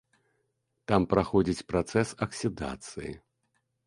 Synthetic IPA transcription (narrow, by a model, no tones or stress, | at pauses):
t̪ampɾaxɔd͡zʲit͡sʲpɾat̪sɛsɐksʲid̪a̰t̪sɨjḭ